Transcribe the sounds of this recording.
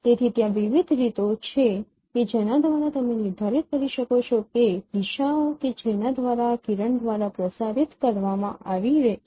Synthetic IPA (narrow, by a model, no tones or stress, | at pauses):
t̪et̪ʰit̪jãʋiʋid̪ʱɾit̪ot͡ʃʰe | ked͡ʒenad̪ʋaɾat̪əmenɪɾd̪ʱaɾit̪̚kəɾiʃəkot͡ʃʰoked̪iʃaoked͡ʒenad̪ʋaɾakiɾəɳd̪ʋaɾapɾəsaɾit̪kəɾʋamãʔaʋiɾe